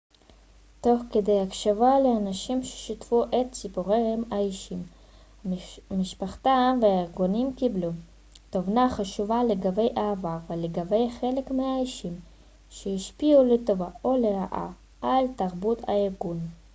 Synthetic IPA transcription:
t̪o̞χkedejakʃavaleanaʃimʃe̥ʃitfuʔet̪t͡sipoʁejemaiʃim | hamiʃpaχt̪amveaeʁɡunimkiblu | t̪ovnaχaʃuvaleɡabe̞jʔaːvaʁveleɡabe̞jχelekmeaiʃim | ʃehiʃpiulet̪ovaʔoleʁaʔa̰ | ʔalt̪aʁbut̪a̰eʁɡun

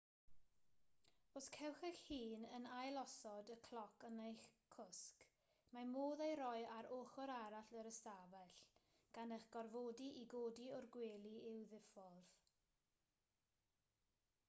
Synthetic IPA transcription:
oskʰɛwχɛxhiːnənajlˠɔsɔdəkʰl̥ˠɔkʰənejχkʰʊsk | mamoːðejɾɔɨaɾoːχɔɾaɾaɬəɾəstavɛɬ | ɡ̥anəχɡ̥ɔrvoːdiʔiɡoːdiɔrɡweːlˠiɪwðɪfɔð̥

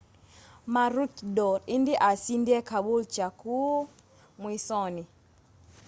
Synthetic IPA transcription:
maɾukdɔɾindiʔasindiɛkaɓult͡ʃaku | mwisɔni

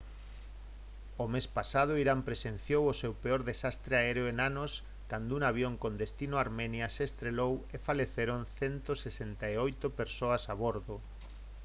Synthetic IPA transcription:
omespasað̞oiɾampɾesen̟θjowosewpeoɾðesast̪ɾeaeɾeoenanos | kand̪ʊuŋaβ̞joŋkond̪est̪inoaɾmɛnjaseeːst̪ɾelowefaleθeɾonθent̪osesent̪aeojt̪opeɾsoɐsaβoɾðo

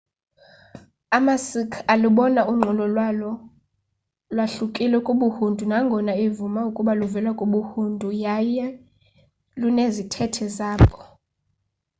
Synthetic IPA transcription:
amasikʰaluɓɔnauŋ͡ǃʱɔlɔlwalɔ | lwaɬukʼilɛkʼuɓuhundʱunaŋɡʱɔnaivumaukʼuɓaluvɛlwakʼuɓuhundʱujajɛ | lunezitʰɛtʰɛzaːpʼɔ̥

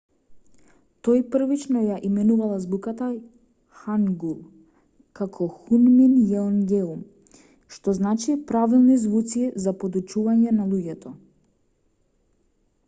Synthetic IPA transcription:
t̪ɔjpr̩vit͡ʃnɔjaʔimɛnuvalˠazbukat̪a | xaŋɡulˠ | kakʰɔxunminjɛnɡɛum | ʃt̪ɔznat͡ʃipɾavilˠnizvut̪sizapɔd̪ut͡ʃuvaɲɛnalˠuɟɛt̪ɔ

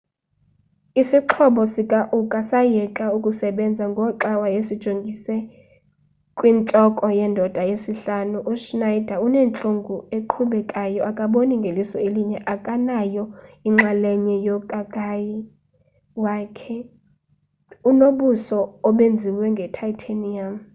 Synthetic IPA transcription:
isiǁʰɔɓɔsikʼaʔukʼasajɛkʼaukʼusɛɓɛnd͡zʱaŋɡʱɔǃawajesid̥ʒ̥ʱoŋɡʱisɛ | kʼwint͡ɬʼɔkʼɔjɛːndʱɔd̥ʱajesiɬanuʔuʃnajd̥ʱaunɛnt͡ɬʼoŋɡʱueǃʰuɓɛkʼajɔʔakʼaɓoniŋɡʱelisɔeliɲɛʔakʼanajɔiŋ͡ǁalɛɲɛjɔkʼakʼaji | waːkʰɛ | unoɓusɔːɓend͡zʱiwɛŋɡʱɛtʰaitʰaniam

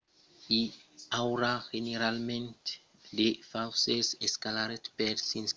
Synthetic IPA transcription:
iawɾaheneɾalmɛ̃nt | defawseseskalaɾetpɛdsĩns

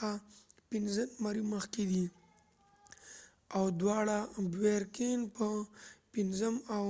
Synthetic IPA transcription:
apinzənmaɾiməxked̪i | awd̪wɑɽabweɾkenpəpinzəmaw

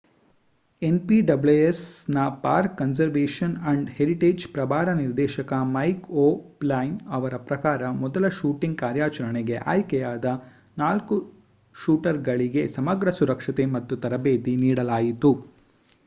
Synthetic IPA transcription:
e̞npiɖɐbleesnɐpaːɾkːɐnsɐɾʋeːʂɐnɐɳɖheɾiʈeːd͡ʒpɾɐbʱaːɾɐniɾd̪ɛːʃɐkɐmɐjkoːplaːjnɐʋɐɾɐpɾɐkaːɾɐmɔd̪ɐlɐʃuːʈiŋɡ̚kaːɾjaːt͡ʃɐɾɐɳeɡe̞ʔa̰ːjkɛjaːd̪ɐ | naːlku | ʃuːʈɐɾɡɐɭiɡe̞sɐmɐɡɾɐsuɾɐkʂɐt̪e̞mɐt̪ːut̪ɐɾɐbeːd̪iniːɽɐlaːjit̪u

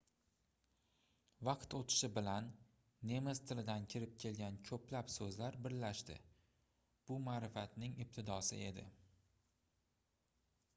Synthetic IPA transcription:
vɑqt̪ot̪ʰɪ̥ʃɪbɪlanː | e̞mɪzt̪ʰɪlɪd̪ankʲʰɪɾɪp̚kʲʰe̞lɡʲankʲʰɵplapsɵzlaɾbɪɾlaʃt̪ɪ̰ | b̥ʊmaːɾɪfat̪nɪŋɪp̚t̪ʰɪd̪ɒsɪ̰e̞d̪ɪ̰

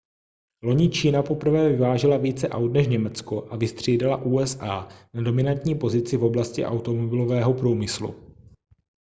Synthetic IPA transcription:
lo̞ɲɪt͡ʃiːnapo̞pr̩vɛːvɪvaːʒɪlaviːt͡sɛʔawt̪nɛʃɲɛmɛt͡skoʔavɪst̪r̝̥iːdalaʔuːɛsʔaːnado̞mɪnant̪ɲiːpo̞zɪt͡sɪvo̞blascɪ̰ʔa̰wt̪omobɪlovɛːɦopɾuːmɪslṵ

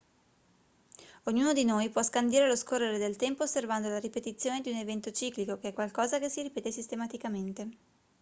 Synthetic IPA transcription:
oɲːuːnod̪inojpwɔskand̪iːɾeloskorːeɾed̪elt̪ɛmpoːsːervand̪olaɾipet̪it̪sːjoːned̪iunevɛnt̪ot͡ʃiːklikokeɛkwalkɔːzakesːiɾipɛːt̪esist̪emat̪ikament̪e

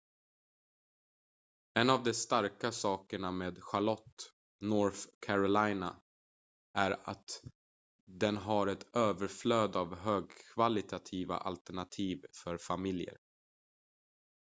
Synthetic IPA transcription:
ɛnavd̪ɛst̪aɾkasɑːkəɳameːd̪ɧaɭɔt̪ː | nɔɾfkʰæɾɔlajna̰ | ʔæɾa̰t̪ | d̪ɛnɦaɾɛt̪øːvəɾfløːd̪avɦøːɡkʰvalɪt̪ʰat̪ʰiːva̰ʔa̰lt̪æɳat̪ʰiːvfœɾfamɪljə̰ɾ

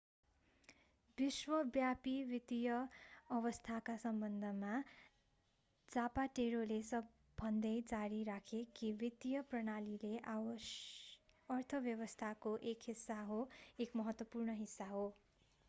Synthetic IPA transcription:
biswʌbjapiwit̪ijʌʌβʌst̪ʰakasʌmbʌnd̪ʱʌma | d͡zapaʈeɾolesʌbʱː | ʌnd̪ʌjd͡zaɾiɾakʰekibit̪ijʌprʌɽalileʔa | ʌrt̪ʰʌbjʌwʌst̪ʰakoʔekɦisːaɦoekmʌɦʌt̪wʌpurɳʌɦisːaɦo

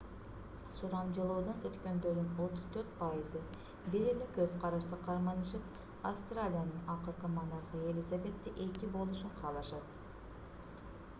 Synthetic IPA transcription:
suɾɑmd͡ʒɯlˠoːd̪onøt̪kø̞nd̪øɾd̪yno̞t̪uz̥t̪ʰøɾt̪̚pajɯzɯ | biɾylykøzqʰɑɾɑʃt̪ɯqʰɑɾmɑnɯʃɯp | afst̪ralʲijanɯnɑqɯɾqɯmɑnɑɾʁɯe̞lʲizave̞t̪ːiʔe̞kibo̞lˠuʃuɴqʰɑːlˠɑʃɑt̪

